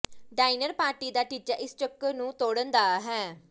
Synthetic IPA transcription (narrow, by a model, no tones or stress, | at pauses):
ɖaːɪnəɾpaːɾʈiːd̪aːʈiːt͡ʃaːʔɪst͡ʃəkːnũːt̪oːɽənd̪aːɦɛː